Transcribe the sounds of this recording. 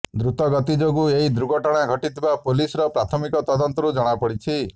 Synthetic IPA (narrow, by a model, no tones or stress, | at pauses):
d̪ɾut̪ɔɡɔt̪id͡ʒoɡueɦid̪ɾuɡɔʈaɽ̃aɡʱɔʈit̪ʰibapulisɔɾɔpɾat̪ʰɔmikɔt̪ɔd̪ɔnt̪ɔɾud͡ʒɔɽ̃apɔɽit͡ʃʰi